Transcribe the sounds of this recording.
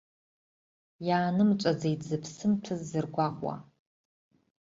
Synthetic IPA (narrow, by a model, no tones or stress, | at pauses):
jaːnɨmt͡ʃʷʼazejd͡zɨpʰsɨmtʰɨzːɨrɡʷaʁʷʼwa̰